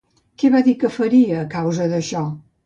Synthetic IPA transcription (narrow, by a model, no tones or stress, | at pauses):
kɛβaðikəfəɾiəːkawzəðəʃɔ